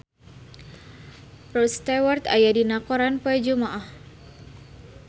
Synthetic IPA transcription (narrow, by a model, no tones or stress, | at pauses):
rɔst̪awart̪a̰jadinakɔɾanpɔɛd͡ʒumaʔah